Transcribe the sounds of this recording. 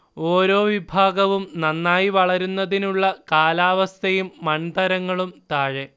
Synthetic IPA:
o̞ːɾo̞ːʋibʱaːɡɐʋumnɐnːaːjiʋɐɭɐɾunːɐðinuɭːɐkaːlaːʋɐst̪ʰɐjumːɐnd̪ɐɾɐŋːɐɭumt̪aːɻe

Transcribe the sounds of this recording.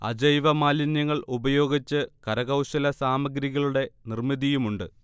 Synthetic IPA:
ɐ̰d͡ʑɐjʋɐmaːlinjɐŋːɐɭubɐjo̞ːɡit͡ɕːɨkɐɾɐɣɐwɕɐlɐsaːmɐɡɾiɣɐɭuɽe̞nirmiðijumuɳɖɨ

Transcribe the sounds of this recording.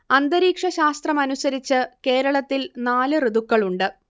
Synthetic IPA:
ɐnd̪ɐɾiːkʂɐɕaːst̪rɐmɐnusɐɾit͡ɕːɨke̞ːɾɐɭɐt̪ːilnaːlɨriðukːɐɭuɳɖɨ

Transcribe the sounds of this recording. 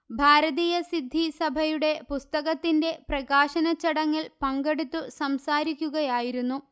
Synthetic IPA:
bʱaːɾɐðiːjɐsid̪ʱːisɐbʱɐjuɽe̞pust̪ɐɣɐt̪ːinde̞prɐɣaːɕɐnɐt͡ɕːɐɽɐŋːɐlpɐŋɡeɽut̪ːusɐmsaːɾikʲːuɣɐjaːjiɾunːu

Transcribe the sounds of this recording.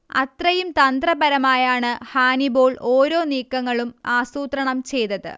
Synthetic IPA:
ɐ̰t̪rɐjumt̪ɐnd̪rɐbɐɾɐmaːjaːɳɨhaːnibo̞ːɭoːɾo̞ːniːkːɐŋːɐɭumaːsuːt̪rɐɳɐmt͡ɕe̞jt̪ɐðɨ̰

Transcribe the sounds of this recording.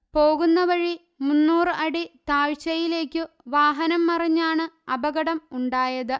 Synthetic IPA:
po̞ːɣunːɐʋɐɻi | munːuːrɨɐɽit̪aːɻt͡ɕːɐjile̞ːkːɨ | ʋaːɦɐnɐmːɐrɐɲːaːɳɨɐbɐɣɐɽɐmuɳɖaːjɐðɨ

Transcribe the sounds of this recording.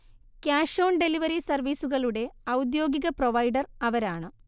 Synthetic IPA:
kjaːʂo̞ːɳɖe̞liʋɐɾisɐrʋiːsuɣɐɭuɽe̞ɐwd̪jo̞ːɡiɣɐproʋɐjɖɐrɐʋɐɾaːɳɨ

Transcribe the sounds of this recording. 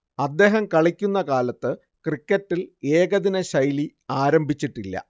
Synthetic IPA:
ɐd̪ːe̞ːɦɐmkɐɭikʲːunːɐkaːlɐt̪ːɨ | krikʲːɐtːile̞ːɡɐðinɐɕɐjli | aːɾɐmbʱit͡ɕːiʈːilːɐ̰

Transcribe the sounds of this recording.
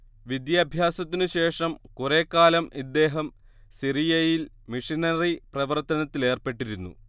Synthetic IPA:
ʋid̪jɐːbʱjaːsɐt̪ːinuɕe̞ːʂɐmkure̞kːaːlɐmid̪ːe̞ːɦɐm | sirijɐjil | miʂinɐriprɐʋɐrt̪ɐnɐt̪ːile̞ːrpe̞ʈːiɾunːṵ

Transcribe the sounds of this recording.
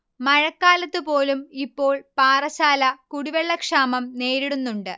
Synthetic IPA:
mɐɻɐkːaːlɐt̪ːɨpo̞ːlumipːo̞ːɭpaːrɐɕaːlɐkuɽiʋeɭːɐkʂaːmɐmne̞ːɾiɽunːuɳɖɨ

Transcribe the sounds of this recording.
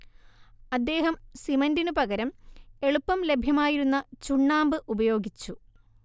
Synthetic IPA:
ɐd̪ːe̞ːɦɐmsimɐndinɨpɐɣɐɾɐme̞ɭupːɐmle̞bʱjɐmaːjiɾunːɐt͡ɕuɳːaːmbɨʔubɐjo̞ːɡit͡ɕːu

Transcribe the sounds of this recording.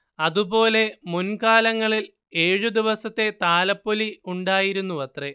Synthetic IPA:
ɐðupo̞ːle̞munkaːlɐŋːɐɭil | eːɻud̪iʋɐsɐt̪ːe̞t̪aːlɐpːoliuɳɖaːjiɾunːuʋɐt̪re

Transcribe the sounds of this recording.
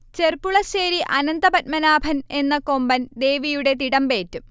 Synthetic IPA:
t͡ɕe̞rpuɭɐseːɾiʔɐnɐnd̪ɐpɐt̚mɐnaːbʱɐne̞nːɐko̞mbɐnd̪e̞ːʋijuɽe̞t̪iɽɐmbe̞ːtːu

